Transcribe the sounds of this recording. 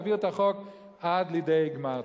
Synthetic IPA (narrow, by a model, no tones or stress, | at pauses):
viʁt̪aχok | ʔad̪lidejɡma